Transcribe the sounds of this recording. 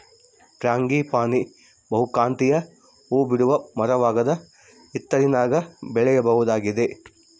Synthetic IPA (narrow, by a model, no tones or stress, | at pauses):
kɾaːŋɡiːpaːni | bɐɦukaːnt̪ijɐ | uːbiɽuʋɐmɐɾɐʋaːɡɐd̪ɐ | it̪ːɐɾinaːɡɐbɛɭɛjɐbɐʋud̪aːɡid̪e̞